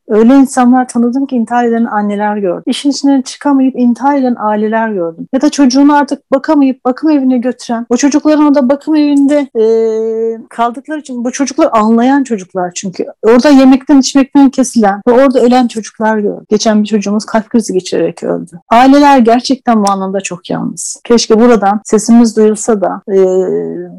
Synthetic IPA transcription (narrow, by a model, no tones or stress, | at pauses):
ø̞jlʲeinsanlˠaɾt̪ʰanɯd̪ɯmcʰiːnt̪ʰiɦalʲe̞d̪ʲɛnanːe̞lʲæɾɟø̞ɾd̪iʃinit͡ʃʰinint͡ʃʰɯ̥kʰamajɯpint̪ʰiɦale̞d̪ænʔaːilʲe̞lʲæɾɟø̞ɾd̪ymjad̪at͡ʃʰo̞d͡ʒuːnaɾt̪ʰɯk̚bakʰamajɯp̚bakʰɯme̞vinɛɟø̞t̪ʰyɾænot͡ʃʰo̞d͡ʒuklˠaɾɯnoɾd̪abakʰɯme̞vind̪ɛː | kʰalˠd̪ɯklˠaɾit͡ʃʰinbut͡ʃʰo̞d͡ʒuklˠaɾanlˠajant͡ʃʰo̞d͡ʒuklˠaɾt͡ʃʰyɲcʰy̰o̞ɾd̪aje̞mɛc̚t̪ʰænit͡ʃmɛc̚t̪ʰæncʰe̞silʲænvɛo̞ɾd̪aø̞lʲænt͡ʃʰo̞d͡ʒuklˠaɾo̰ɟ̥e̞t͡ʃʰænbit͡ʃʰo̞d͡ʒuːmuz̥kʰalʲfkɾiziɟe̞t͡ʃʰiɾḛɾɛcʰø̰lʲd̪yaːilʲe̞lʲæɾɟæɾt͡ʃʰɛc̚t̪ʰænbuanlˠamd̪at͡ʃʰo̞kʰja̰lˠnɯz̥cʰɛt͡ʃcʲibuɾad̪anse̞simizd̪ujulˠsad̪aɛː